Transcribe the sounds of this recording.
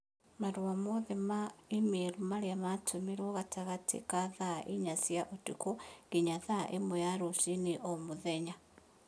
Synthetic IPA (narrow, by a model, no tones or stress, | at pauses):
maɾwamoðemaimiɾumaliamatʰumiɾoɣatʰaɣatḭkaðaʔiɲasjaʔutukoɡiɲaðaʔemojaɾusiniʔomuðeɲa